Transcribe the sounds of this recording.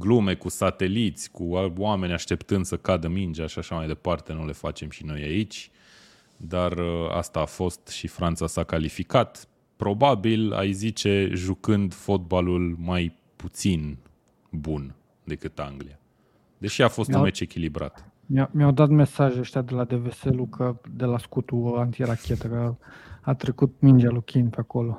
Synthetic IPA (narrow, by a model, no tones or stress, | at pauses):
ɡlume̞kusat̪e̞lit̪sʲkuawame̞nʲaʃt̪e̞pt̪ɨnd̪səkad̪əmind͡ʒaʃaʃamajd̪e̞part̪e̞nule̞fat͡ʃe̞mʃino̞jait͡ʃʲ | d̪arəa̰st̪aːfo̞st̪ʃifɾant̪sasakalifikat̪ | pɾo̞babila̰jzit͡ʃe̞ʒukɨnd̪fo̞t̪̚balulmaj | put̪sin | bun | d̪e̞kɨt̪aŋɡlia | d̪e̞ʃiafo̞st̪ummet͡ʃe̞kʲilibɾa̰t̪ | mamjawd̪at̪me̞saʒeəʃt̪ʲjad̪e̞lad̪e̞ve̞selukʰəd̪elaskut̪uant̪iɾakʲet̪əkəat̪ɾekut̪̚mind͡ʒalukʲʰinpeakolo